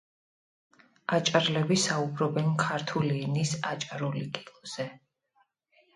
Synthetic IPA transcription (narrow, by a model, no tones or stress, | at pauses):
at͡ʃʼaɾlɛbisaubɾɔbɛnkʰaɾt̪ʰuliːnisat͡ʃʼaɾulikʼi̥lˠz̥ɛ